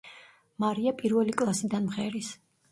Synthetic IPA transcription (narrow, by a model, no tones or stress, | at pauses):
maɾiapʼiɾvɛlikʼlˠasid̪anmχɛɾis